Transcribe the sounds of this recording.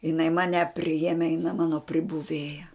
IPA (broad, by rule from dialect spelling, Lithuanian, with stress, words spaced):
jɪˈnɐɪ ˈmɑːnʲɛ pʲrʲɪˈjæːmʲɛ jɪˈnɐ ˈmɑːnoː pʲrʲɪbʊˈʋʲeːjɛ